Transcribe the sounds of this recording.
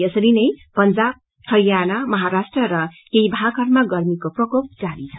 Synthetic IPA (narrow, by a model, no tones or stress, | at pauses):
jʌsʌɾinʌjpʌnd͡zab̚ | hʰʌjjanamʌɦaɾasʈrʌɾʌkejibʱakʰʌɾmaɡʌrmikoprʌkop̚d͡zaɾit͡sʰʌ